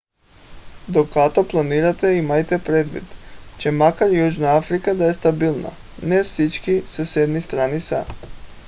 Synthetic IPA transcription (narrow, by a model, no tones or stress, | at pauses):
d̪okat̪oplˠaniɾat̪ɛimajt̪ɛpɾed̪vḭd̪t͡ʃɛmakaɾjuʒnaafɾikad̪aɛst̪abilˠna̰ | nɛfsit͡ʃkisosɛd̪nist̪ɾanisa